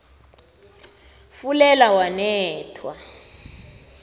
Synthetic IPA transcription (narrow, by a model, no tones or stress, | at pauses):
fulɛlawanɛːtʰwa̰